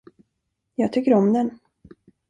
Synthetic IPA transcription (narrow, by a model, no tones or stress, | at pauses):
jɑːɡ̚t̪ʰʏkːəɾɔmd̪ɛn